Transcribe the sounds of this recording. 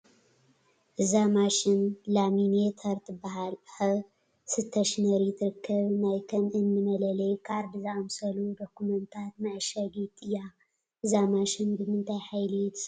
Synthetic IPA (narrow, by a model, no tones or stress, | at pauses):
ʔɨzamaʃɪnlaminet̪ʰɐɾt̪ʰɨbːaɦalħɐ | sɨt̪ʰːɐʃnɐɾit̪ʰɨɾɨkʰːɐβnajkʰɐmʔɨnːɨmɐlɐlɐjkʰaɾd̪ɨzamsɐlud̪okːumɐnt̪ʰat̪̚naʕʃɐɡit̪ʼːɨja | ʔɨzamaʃɪnbɨmɨnt̪ʰajħajlɨt̪ʰɨ̥s